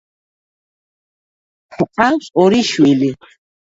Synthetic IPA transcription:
χqʼasɔɾiʃwili

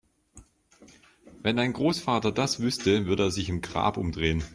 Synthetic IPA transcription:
vɛndaɪnɡʁoːsfaːtɐdasv̥ʏstəvʏɐɾəeːɐzɪçɪmɡʁa̰ːpʔʊ̰mdʁeːən

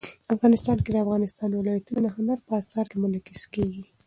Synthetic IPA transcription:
afɣɑnɪst̪ɑnked̪əafɣɑnɪst̪ɑnwɪlɑjat̪unad̪əɦʊnaɾpəasɑɾkemʊlakiskeɡi

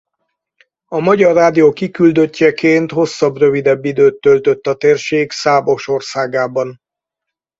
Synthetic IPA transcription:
ɒmɒɟɒrːaːd̪ijoːkikyld̪øcːɛkeːnt̪ho̞sːɒbrø̞vid̪ɛbːid̪øːt̪ːølt̪øt̪ːɒt̪eːrʃeːksaːbo̞ʃo̞rsaːɡaːbɒn

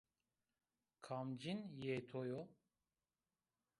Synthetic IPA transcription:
kʰamd͡ʒinjet̪ʰojo

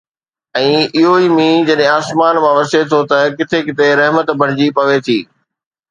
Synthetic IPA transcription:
ɛ̃ːɪɦoiːmĩd͡ʑɐɗɦẽaːsmaːnmãʋɐset̪ʰot̪ɐkɪt̪ʰekɪt̪eɾɛɦmət̪bʱɐɽ̤̃ɪd͡ʑipɐʋet̪ʰiː

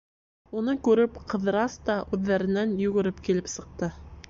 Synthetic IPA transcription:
unɤkʉɾɘpqɤ̆ð̆ɾɑst̪ɑʔʉðːæɾɘ̆nænjʉ̆ɡɘ̆ɾɘpkilɘpsɤ̆q̚t̪ɤ

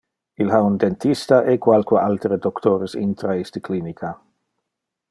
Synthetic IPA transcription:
ilɦaund̪ent̪ist̪aʔekwalkaʔalt̪eɾəd̪okt̪ʰoɾesḭnt̪ɾaist̪əklinikʰa

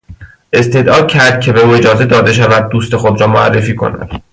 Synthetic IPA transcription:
ʔe̞st̪ʰe̞d̪ʔɒːd̪̥̚cʰæɾd̪̥̚cʲʰe̞beuːe̞d͡ʒɒːze̞d̪ɒːd̪e̞ʃ̬ævæd̪̚ːuːst̪e̞xo̞d̪ɾɒːmoæ̰rːe̞fiːkʰo̞̰næ̰d̪̥

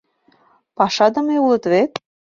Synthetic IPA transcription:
pɑʃɑd̪ɤ̆meulɤ̆t̪βet̪̚

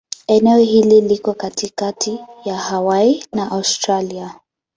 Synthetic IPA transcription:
ɛnɛɔɦililikɔkatikatʰijahawainaʔawstɾalia

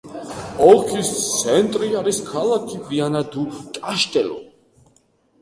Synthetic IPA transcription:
ɔlˠkʰist̪sʰɛnt̪ʼɾiaɾiskʰalˠakʰivianad̪ut̪ʼaʃt̪ʼɛlɔ̰

